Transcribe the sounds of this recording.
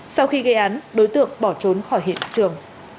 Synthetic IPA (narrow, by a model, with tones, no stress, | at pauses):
sa˧wxi˧ɣə˧jʔaː˨˦nɗo˨˦jt̪ɨ̰˧˨əŋɓɔ˧˩t͡ɕo˨˦nxɔ˧˩jɦḭ˧˨ənt͡ɕɨ˨˩əŋ